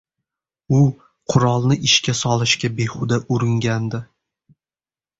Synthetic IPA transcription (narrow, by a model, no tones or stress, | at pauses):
ʊ | qʰʊɾɒlˠnɪʔɪʃkʲasɒlˠɪʃkʲabehʊd̪aʔʊɾɪŋɡʲand̪ɪ